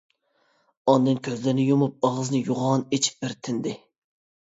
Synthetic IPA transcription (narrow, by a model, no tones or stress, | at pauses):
ɑnd̪ɨnkʲʰøzlɪɾnɪjomup̚ɑʁɨzɨnɨjoʁɑnet͡ʃʰi̥p̚bɪɾt̪ʰɪnd̪ɪ